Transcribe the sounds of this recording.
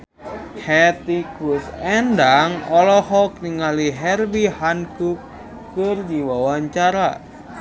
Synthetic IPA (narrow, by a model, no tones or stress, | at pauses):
hɛt̪ikusɛndaŋɔlɔhɔk̚niŋaliɦɛrbihankuk | kɨrdiwawaɲt͡ʃaɾa̰